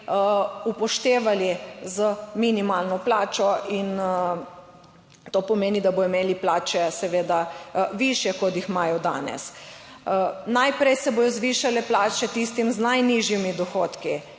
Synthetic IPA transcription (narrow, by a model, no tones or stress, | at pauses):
upɔʃt̪eːʋalizəminimaːlnɔplaːt͡ʃɔʔin | t̪oːpɔmeːnid̪abojɔmeːliplaːt͡ʃɛsɛʋeːd̪aʋiʃjɛkɔt̪jixmaːjɔd̪a̰ːnɛ̰s | najpɾɛjsɛboːjɔzʋiːʃalɛplaːt͡ʃɛt̪ist̪imznajniʒjimid̪ɔxoːt̪ki